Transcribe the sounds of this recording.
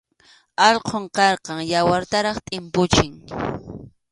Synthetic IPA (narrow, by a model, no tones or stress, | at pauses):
ɑʎqʰoɴqɑɾqɑŋjawaɾt̪aɾɑχt̪ʼɪmpʊt͡ʃɪŋ